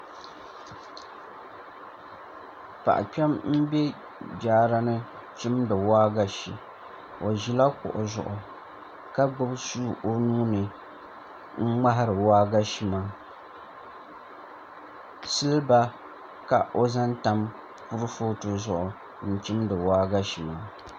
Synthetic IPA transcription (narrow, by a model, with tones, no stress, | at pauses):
pa̰˨ʔa̰˨k͡pɛ˦mm̩˦bɛ˦ | d͡ʒaː˦ɾa˦nɨ˦ | t͡ʃi˦mdɨ˨waː˦ɡa˦ʃḭ˨ | o˨ʒi˨la˦kʊ̰˨ʔʊ˨zʊ̰˨ʔʊ˨ | ka˦ɡ͡bɨ˦bsuː˦ʔo˦nuː˦nɨ˨ | ŋ͡m̩˦ŋ͡ma˦ɦa˦ɾɨ˨waː˦ɡa˦ʃi˨maː˦ | sɨ˦lba˦ | ka˨ʔo˦za˦nta˦m | pu˦ɾɨ˦fo˦tɨ˨zʊ˨ʔʊ˨ | n̩˨t͡ʃi˦mdɨ˨waː˦ɡa˦ʃi˨maː˦